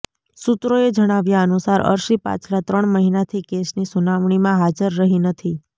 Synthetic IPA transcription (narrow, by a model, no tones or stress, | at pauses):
sut̪ɾoed͡ʒəɽ̃aʋjaənusaɾə̰ɾʃipa̰t͡ʃʰlat̪ɾəɳməɦinat̪ʰikesnisunaʋɳimãɦad͡ʒəɾːəɦinət̪ʰi